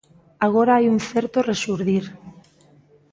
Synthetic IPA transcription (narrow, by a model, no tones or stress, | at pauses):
aɣ̞oɾaajuŋθeɾt̪oresuɾðiɾ